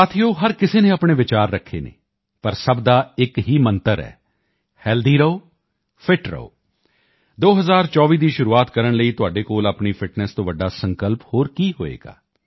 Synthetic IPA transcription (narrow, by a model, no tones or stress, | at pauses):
aːt̪ʰijoːɦəɾkɪseːnẽːaːpɳ̃eːʋɪt͡ʃaːɾːəkʰːḛːnḛː | pəɾsəbd̪aːɪkɦiːmənt̪əɾɛ̰ː | hɛːld̪iːɾəoː | pʰɪʈɾə̰o̰ː | d̪oːɦəzaːɾt͡ʃɔːʋiːd̪iːʃʊɾuːaːt̪kəɾəɳləiːt̪ʊaːɖeːkoːlaːpɳiːpʰɪʈnɛst̪õːʋəɖaːsə̃ŋkəlphoːɾkiːɦo̰ːḛːɡa̰ː